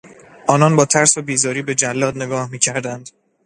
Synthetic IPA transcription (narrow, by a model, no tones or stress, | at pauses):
ʔɒːnɒnbɒːt̪ʰæɾsobiːzɒːɾiːbe̞d͡ʒælːɒːd̪ne̞ɡɒːhmiːcʰæɾd̪ænd̪̥